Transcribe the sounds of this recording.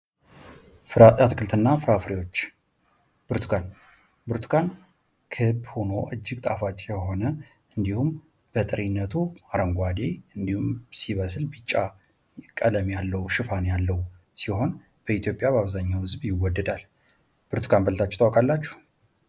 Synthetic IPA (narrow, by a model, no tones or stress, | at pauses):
at̪kʰɨlt̪ʰɨnːafɨɾafɾiwo̞t͡ʃː | b̥ɨɾt̪ʰu̥kʰan | bɨɾt̪ʰkʰan | kʰɨbho̞no̞ʔɨd͡ʒːɪɡt̪ʼafat͡ʃʼjɛho̞nə | ɨnd̪ihum | b̥ət̪ʼɨɾinːət̪ʰuaɾəŋɡʷad̪eɨnd̪ihumsiβəslbɨt͡ʃʼːa | kʼələmjalːəwuʃɨfanjalːəwu | siho̞n | b̥əit̪jo̞pʼjabaβzaɲːawhɨzbjɪwːɔd̪ːəd̪al | b̥ɨɾt̪ʰu̥kʰanbələt̪ʰat͡ʃːɛ̥t̪ʰʼawkʼalːat͡ʃːu̥h